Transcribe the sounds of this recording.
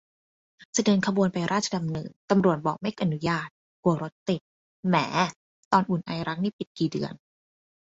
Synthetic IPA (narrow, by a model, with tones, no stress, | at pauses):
sa˧dɤː˧nkʰa˧bu˧ənpa˧jɾaː˥˩t̪̚t͡ɕʰa˧da˧mnɯ̰ː˨˩ŋt̪a˧mɾu˨˩ət̪̚bɔː˨˩k̚ma˥˩jʔa˧nu˦˥jaː˥˩t̪̚ | ku˧ɐɾo˦˥t̪̚ːi˨˩t̪̚ | mɛː˩˦ | t̪ɔː˧nʔu˨˩nʔa˧jɾa˦˥k̚niː˥˩pi˨˩t̪̚kiː˨˩dɯ˨˧ən